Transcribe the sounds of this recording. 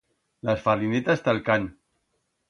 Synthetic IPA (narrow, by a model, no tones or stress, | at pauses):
lasfarlinet̪ast̪alkan